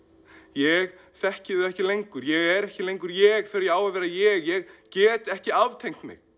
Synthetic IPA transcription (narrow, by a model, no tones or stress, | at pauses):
jɛɣ | θɛhcɪðʏɛhcɪlejŋkʏɾjɛɣɛɾɛhcɪlejŋkʏɾjɛɣθɛɾjɛaːwavɛːɾajɛɣjɛɣcɛːt̪ɛhcɪavt̪ʰejŋ̥t̪mɪ̰ɣ